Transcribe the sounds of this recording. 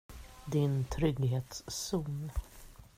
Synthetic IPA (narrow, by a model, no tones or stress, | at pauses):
d̪ɪnt̪ʰɾʏɡɦeːt̪sːuːn